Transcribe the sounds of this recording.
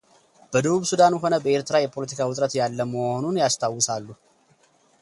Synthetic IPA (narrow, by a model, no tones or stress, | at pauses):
b̥əd̪əβuβsud̪anɦo̞nəbəeɾt̪ɾajɛpʰo̞lət̪ʰikʰawʊt̪ʼɾət̪jalːəməhonunjast̪ʰawːɨsalːu